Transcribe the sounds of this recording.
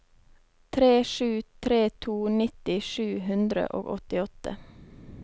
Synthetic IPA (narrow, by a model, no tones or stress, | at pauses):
t̪ʰɾeːʃʉːt̪ʰɾeːt̪ʰuːnɪt̪ɪʃʉːhʉnd̪ɾə̰ʔo̰ːɡɔt̪ɪɔt̪ə̰